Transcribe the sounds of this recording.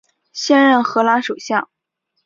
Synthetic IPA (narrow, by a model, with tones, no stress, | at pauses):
ɕjɛ˥nɻə˥˩nxɤ˧˥la˥ʂu˨˩ɕjɑ˥˩ŋ